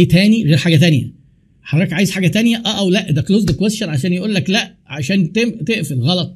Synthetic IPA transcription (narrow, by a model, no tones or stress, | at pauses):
t̪æːniɣeːɾħaːɡæt̪̬ænjæ̰ | ħɑd̪ˤɾˤɑːkʕaːjez̥ħaːɡæt̪ænjæʔæːʔæwlæʔd̪ækloːzd̪ekwesʃɑɾˤʕaʃ̬æːnjeʔuːlːæklæʔ | ʕaʃæːnt̪eʔt̪eʔfilɣɑlɑt̪ˤ